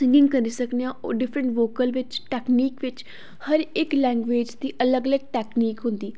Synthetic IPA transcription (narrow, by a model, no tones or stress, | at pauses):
sɪ̃ŋɡɪ̃ŋɡkəɾiːsəknejãːoːɖɪpʰɾə̃ɳʈʋoːkəlʋɪt͡ʃʈɛːkniːkʋɪt͡ʃ | həɾɪklɛ̃ːŋɡʋeːd͡ʒd̪iːʔələɡələɡ̚ʈɛːkniːkɦʊ̃nd̪iː